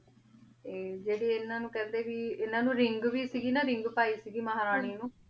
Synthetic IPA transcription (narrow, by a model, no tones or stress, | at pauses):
eːd͡ʒeːɽiːɪnːãːnũːkɛ̃ːnd̪eːʋiːɪnãːnũːɾɪŋɡʋiːsiːɡiːnaːɾɪŋɡpaːiːsiːɡiːmaɦaːɾaːɳ̃iːnũː